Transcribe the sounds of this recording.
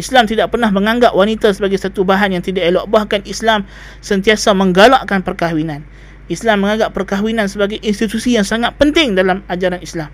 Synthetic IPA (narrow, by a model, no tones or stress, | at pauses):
ʔislamt̪idaʔ̚pərnahməŋaŋɡaʔwanit̪asəbaɡajsat̪ubaɦanjaŋt̪idaʔeloʔbahkanislam | sənt̪iasamə̃ŋɡalaʔkanpərkawinan | islamːəŋãŋɡaʔpːərkaɦwinansəbaɡajʔinst̪it̪usijaŋsaŋat̪̚pənt̪ɪŋdalamad͡ʒaɾanislam